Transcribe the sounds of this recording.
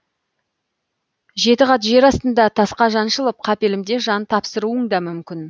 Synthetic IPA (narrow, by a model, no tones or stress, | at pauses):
ʒe̞t̪ɪʁɑt̪ʒe̞ɾɑst̪ənd̪ɑt̪ʰɑsqɑʒɑnʃəlˠəp̚qʰɑpe̞lɪmd̪e̞ʒɑnt̪ʰɑpsəɾuəɴd̪ɑmʏmkʲɪn